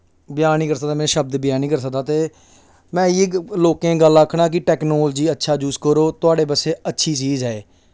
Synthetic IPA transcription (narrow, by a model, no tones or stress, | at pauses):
bɪjaːniːkəɾsək̚d̪aːmɛ̃ːʃəb̚d̪bɪjaːnĩːkəɾs̬ək̚d̪aːt̪eː | mɛ̃ːiːloːkẽːɡəlaːkʰɳaːk̬ɪʈɛːknoːld͡ʒiːətːʃʰaːd͡ʒuːskəɾoːt̪ʊaːɖeːpəseːətːʃʰiːt͡ʃiːzɦɛː